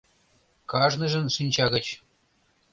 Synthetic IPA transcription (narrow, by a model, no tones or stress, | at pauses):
kɑʐnɤ̆ʐɘ̆nʂɨnʲt͡ɕɑɣə̆t͡ɕ